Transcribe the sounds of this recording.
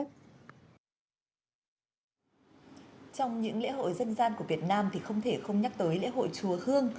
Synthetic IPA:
t͡ɕɔ˧wŋ͡mɲɨ̰˧˥ŋlḛ˧˥ɦo̰˧˨jzə˧nzaː˧nku˧˩vi˨˩ət̚naː˧mt̪ʰi˨˩xə˧wŋ͡mt̪ʰe˧˩xə˧wŋ͡mɲa˦˥k̚t̪əː˨˦jlḛ˧˥ɦo̰˧˨jt͡ɕu˨˦əhɨ˧əŋ

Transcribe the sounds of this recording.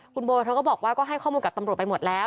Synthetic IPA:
kʰu˧nboː˧jkʰa˦˥wkɔː˥˩bɔː˨˩k̚waː˥˩kɔː˥˩ɦa˥˩jkʰɔː˥˩muː˧nka˨˩t̪a˧mɾu˨˩t̪̚pa˧jmo˨˩t̪̚lɛː˨˦˥

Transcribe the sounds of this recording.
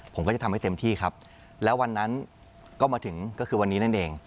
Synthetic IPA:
pʰo˩˦kɔ˥˩a˨˩a˧ha˥˩t̪e˧mt̪ʰiː˥˩kʰa˦˥p̚ | lɛː˦˥wa˧nːa˦˥n | kɔː˥˩maː˧t̪ʰɯ˩˦ŋkɔː˥˩kʰɯː˧wa˧nːiː˦˥na˥˩nʔeː˧ŋ

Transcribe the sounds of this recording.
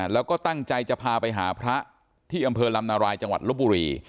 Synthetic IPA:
lɛː˦˥wkɔː˥˩t̪a˥˩ŋt͡ɕa˧jt͡ɕa˨˩ʔpʰaː˧pa˧jɦaː˩˦pʰɾa˦˥ | t̪ʰiː˥˩ʔa˧mpʰɤː˧la˧mnaː˧ɾaː˧jt͡ɕa˧ŋwa̰˨˩t̪̚lu˦˥p̚buː˧ɾiː˧

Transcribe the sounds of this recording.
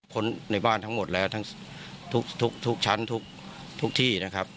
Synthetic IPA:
kʰo˦˥nna˧˥˩jbaː˥˩nt̪ʰa˦˥ŋmo˨˩t̪̚lɛː˦˥wt̪ʰa˦˥ŋ | t̪ʰu˦˥k̚t̪ʰu˦˥k̚t̪ʰu˦˥k̚t͡ɕʰa˦˥nt̪ʰu˦˥k̚ | t̪ʰu˦˥k̚t̪ʰiː˥˩na˦˥kʰa˦˥p̚

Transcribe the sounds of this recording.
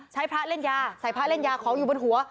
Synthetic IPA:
t͡ɕʰa˦˥jpʰɾaː˦˥le˥˩njaː˧sa˨˩˦jpʰɾa˦˥le˥˩njaː˧kʰɔː˩˦juː˨˩bo˧nɦu˩˦ɐ

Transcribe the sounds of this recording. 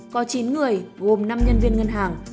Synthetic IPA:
kɔ˨˦t͡ɕi˨˦nŋɨ˨˩əjɣo˨˩mna˧mɲə˧nvi˧ənŋə˧nɦaː˨˩ŋ

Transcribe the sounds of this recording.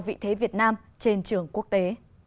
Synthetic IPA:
wvḭ˧˨t̪ʰe˨˦vi˨˩ət̚naː˧m | t͡ɕe˧nt͡ɕɨ˧˩əŋku˦˥ək̚t̪e˨˦

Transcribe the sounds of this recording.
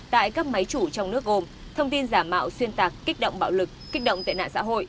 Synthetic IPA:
t̪a̰ː˧˨jkaː˦˥k̚ma˨˦jt͡ɕu˧˩t͡ɕɔ˧wŋ͡mnɨ˦˥ək̚ɣo˧m | t̪ʰə˧wŋ͡mt̪i˧nzaː˧˩mːa̰ː˧˨wswi˧ənt̪aː˨˩kːi˦˥k̚ɗə̰˧˨wŋ͡mɓa̰ː˧˨wlɨ˨˩k̚ːi˦˥k̟̚ɗə̰˧˨ŋ͡mt̪a̰˧˨jna̰ː˧˨nsa̰ː˧˥ɦo̰˧˨j

